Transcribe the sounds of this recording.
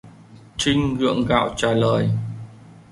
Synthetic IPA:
t͡ɕï˧ŋɣɨ̰˧˨əŋɣa̰ː˧˨wt͡ɕaː˨˩ləː˨˩j

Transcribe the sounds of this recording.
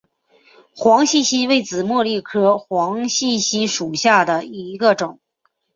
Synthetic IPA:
xwɑ˧˥ŋɕi˥˩˧ɕi˥we˥˩ɪt͡sɹ̩˨˩mwɤ˥˧li˥˩kʰɤ˥xwɑ˧˥ŋɕi˥˩ɕi˥ʂu˨˩ɕja˥˩d̪ə˩i˧˥ɡə˧ʈ͡ʂʊ˨˩˦ŋ

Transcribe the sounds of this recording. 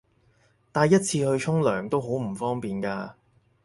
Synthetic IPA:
t̪aː˨˩jɐ˥t̚t͡sʰiː˧hɵ˧ɥt͡ʃʰʊ˥ŋlœː˨˩ŋt̪o˥wɦo˨˥wm̩˨˩fɔː˥ŋpiː˨nkaː˧

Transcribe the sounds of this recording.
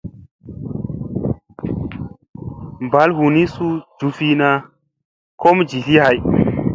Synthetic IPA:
mba˦lhu˨ni˦su˦d͡ʒu˨fi˦na˦ | ko˦md͡ʒi˨li˦ha˨j

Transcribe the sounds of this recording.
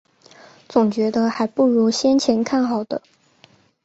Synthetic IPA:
t͡sʊ˨˩ŋt͡ɕɥɛ˧˥d̪ə˧xa˧˥ɪpu˥˩ɻu˧˥ɕjɛ˥nt͡ɕʰjɛ˧˥nkʰa˥˩nxɑ˨˩ʊd̪ə˦

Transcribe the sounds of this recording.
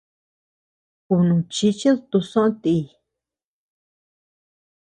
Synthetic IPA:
ku˧nũ˨t͡ʃi˧t͡ʃi˦ðu˧t̪u˧sõ˦õ˦t̪i˧˨

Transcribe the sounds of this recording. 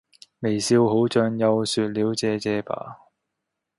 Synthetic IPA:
me˨˩jsiː˧wɦo˨˥wt͡ʃœː˧ŋjɐ˧wsyː˨˧t̚liː˨˥wt͡sɛː˨˧t͡sɛː˨˧pa̰ː˨˩

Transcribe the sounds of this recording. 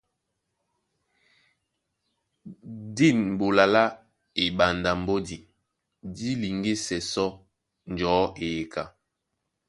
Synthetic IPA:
di˦˨nm̩˨bo˨la˨la˦ | e˨ɓa˨nda˨m̩˦bo˦di˨ | di˦li˨ŋɡe˦sɛ˨sɔ˦ | n˨d͡ʒɔː˨˦e˨je˨ka˨

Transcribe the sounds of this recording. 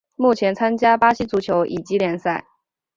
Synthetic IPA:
mu˥˩t͡ɕʰjɛ˧˥nt͡sʰa˥nt͡ɕja˥pa˥ɕi˥t͡su˧˥t͡ɕʰjo˧˥ʊʔi˨˩t͡ɕi˧˥ljɛ˧˥nsa˥˩ɪ

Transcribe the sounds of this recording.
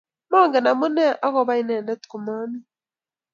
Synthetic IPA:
mɔ˦˨ŋɡɛ˨na˨mu˦nɛ˦ʔa˦kɔ˨βa˦i˦nɛ˨ndɛ˦tku˨ma˦mi˦

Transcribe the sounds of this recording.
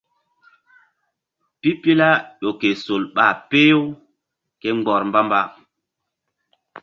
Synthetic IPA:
pi˦pi˦la˦ɗo˨ke˨so˨lɓa˦˨pe˦jo˦w | ke˦ŋ͡mɡ͡bɔ˨ɾmba˦mba˦

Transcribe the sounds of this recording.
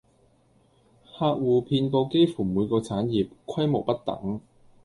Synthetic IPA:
haː˧t̚wuː˨˩pʰiː˧npo˧wke˥jfuː˨˩muː˨˧jkɔː˧t͡sʰaː˨˥njiː˨p̚kʷʰɐ˥jmo˨˩wpɐ˥t̚t̪ɐ̰˨˥ŋ

